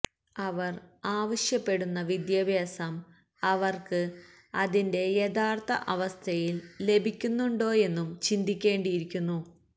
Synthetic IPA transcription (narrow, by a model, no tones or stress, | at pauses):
ɐʋɐraːʋɐɕjɐpːe̞ɽunːɐʋid̪jɐbʱjaːsɐm | ɐʋɐrkɨ | ɐðinde̞jed̪aːrt̪ʰɐ̰ʔɐʋɐst̪ʰɐjille̞bʱikʲːunːuɳɖo̞ːje̞nːumt͡ɕind̪ʱikʲːe̞ːɳɖijiɾikʲːunːu